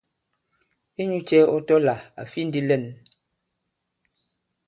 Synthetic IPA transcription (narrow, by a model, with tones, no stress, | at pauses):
e˦ɲu˦t͡ʃɛ˦ɔ˦tɔ˦la˨a̰˨fi˦n̩˦di˦lɛ˦˨n